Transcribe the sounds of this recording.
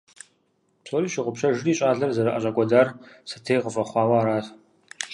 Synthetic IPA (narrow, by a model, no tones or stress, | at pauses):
psʰʼoːɾiːʃɪʁʷʊpɕɐʒɪriːɕʼaːɮɐrzɐɾɐʔɐɕʼɐkʷʼɔdaːrsɨ̥tʰeːjʁəfʼɐχʷɑːwɐaːɾaːt